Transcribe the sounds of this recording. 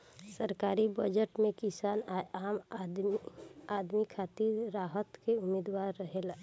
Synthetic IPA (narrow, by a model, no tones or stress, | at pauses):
səɾkaːɾibəd͡ʒəʈmẽkɪsaːnaaːm | aːd̪mikʰaːt̪iɾɾaːɦət̪keʊmed̪waːɾːəɦela